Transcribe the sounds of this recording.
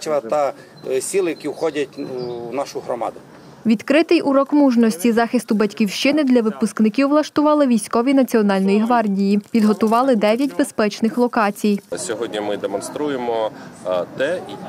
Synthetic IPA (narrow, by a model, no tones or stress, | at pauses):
ʋɐt̪ɐ | sʲilˠɪjɐkʲiwxɔdʲɐtʲːnɑʃʊɦɾɔmɑ̰d̪ʊ | ʋʲid̪kɾɪt̪ɪjʔʊɾɔkmuʒnɔsʲtʲizɑxɪst̪ʊbɐtʲkʲiwʃt͡ʃɪnɪd̪lʲɐʋɪpʊsknɪkʲiwlˠɐʃt̪ʊʋɑlˠɪʋʲijsʲkɔʋʲinɐt͡sʲiɔnɑlʲnɔjiɦʋɑrdʲijipʲid̪ɦɔt̪ʊʋɑlˠɪd̪ɛʋʲjɐtʲbespɛt͡ʃnɪxlˠɔkɑt͡sʲijsʲɔɦɔdʲnʲimɪd̪emɔnst̪ɾujemɔ | t̪ɛi